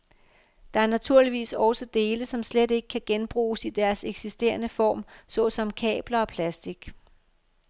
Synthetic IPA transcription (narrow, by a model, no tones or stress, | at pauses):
d̥ɑ̈æɐnæt͡sʰuɐ̰liʋḭːsɒ̽ʊsəd̥e̝ːləsɒ̽mslede̝ɡ̥ə̥kʰæɡ̥enb̥ʁṵːsid̥æɐseɡ̥sisd̥e̝̰ːɐnəfɒ̰ːmsɒ̽sɒ̽mkʰɛ̰ːb̥lɐɒ̽pʰlæsd̥iɡ̥